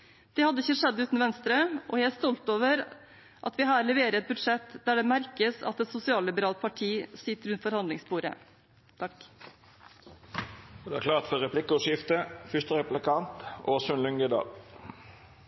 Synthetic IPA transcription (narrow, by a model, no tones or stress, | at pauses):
d̪̥ɛhɑd̪ːəɪçəʂɛd̪ːʉːt̪n̩ʋɛnst̪ɾəɔjææst̪ɔlt̪oːʋəɾ | ʔɑt̪ʋɪɦɑːɾlɛʋeːɾəɛt̪̚bʉd̪ʂɛt̪ːd̪æɖɛmæɾkəsɑ̰t̪ɛt̪sʊsɪɑːlɪbəɾɑːlt̪̚pʰɑʈʰiːsɪt̪ːəɾʉnt̪fɔɾhɑnd̪lɪŋspuːɾə̰ | t̪ʰɑk | d̪ɛækʰlɑːt̪fɔʁɛpʰlɪkːəʊʃɪft̪əfʏst̪əʁɛplɪkʰɑnt̪oːsʉnlʏŋɡəd̪ɑ̰ː